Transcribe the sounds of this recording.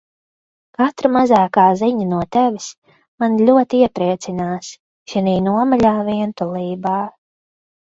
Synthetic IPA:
kat̪ɾamazaːkaːziɲɐnuɔt̪ɛvis | manlʲuɔt̪iiɛpɾiɛt̪sinaːs | ʃiniːnuɔmaʎʲaːviɛnt̪ulˠiːbaː

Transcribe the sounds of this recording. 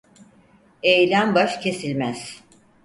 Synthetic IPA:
ejlʲænbaʃcʰe̞silʲmæz̥

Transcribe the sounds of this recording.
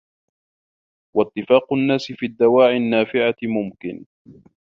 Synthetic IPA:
wɑt̪ːɪfaːqʊnːaːsɪfiːd̪ːawaːʕɪnːaːfɪʕamʊmkɪ̰n

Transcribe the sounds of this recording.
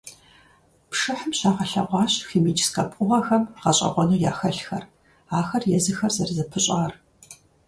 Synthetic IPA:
pʂɨħəmɕaːʁɐɬɐ̰ʁʷɑːɕxiːmiːd͡ʒsqʼɐpʼʊʁɐxɐmqɐɕʼɐ̰ʁʷɔnuːjaːxɐɬxɐ̰r | aːxɐrjɛzɨxɐrzɐrzɐpʰɨɕʼaːr

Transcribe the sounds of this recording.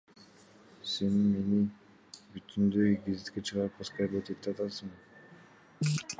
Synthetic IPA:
senme̞ni | byt̪ʰynd̪øjɡezɪt̪ket͡ʃʰɯʁɑɾɯp̚ʰɑskaɾbet̪et̪ːeat̪ɑsɯŋ

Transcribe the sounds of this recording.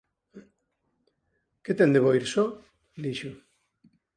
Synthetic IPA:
ket̪ɛnd̪eβoiɾsɔ | d̪iʃʊ

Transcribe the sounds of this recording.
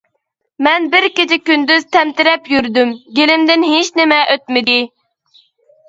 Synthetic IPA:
mɛnbɪɾkʲɪt͡ʃʰɪkʲynd̪yz̥t̪ʰɛmt̪ɪɾɛpjyɾd̪ymɡʲelɪmd̪ɪnɦet͡ʃnɪmɛʔøt̪mɪd̪ɪ

